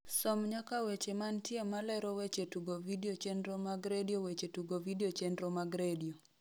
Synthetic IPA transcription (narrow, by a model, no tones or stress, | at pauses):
sɔmɲakawet͡ʃemantjemalɛɾɔwet͡ʃetuɡovideot͡ʃenɾɔmaɡɾediowet͡ʃetuɡovidiot͡ʃɛnɾɔmaɡɾedio